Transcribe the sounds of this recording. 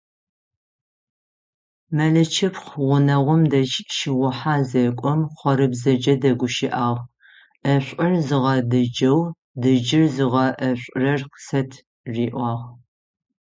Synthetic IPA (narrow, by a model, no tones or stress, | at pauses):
mɐɮɐt͡ʃʰɪpχʁʷʊnɐʁʷʊmdɐʃʃiʁʷʊħaːzɐkʷʼɔmχʷɔɾɨbzɐd͡ʒɐdɐɡʷʊʃɪʔaːʁ | ɐɕʷʼɨrzɨʁɐdɐd͡ʒɐw | dɨd͡ʒɪrzɨʁɐʔɐɕʷʼrɐrqsɐtʰ | ʒiːʔʷɑːʁ